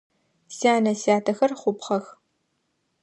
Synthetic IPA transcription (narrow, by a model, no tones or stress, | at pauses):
siaːnɐsiaːtʰɐxɐrχʷʊpχɐx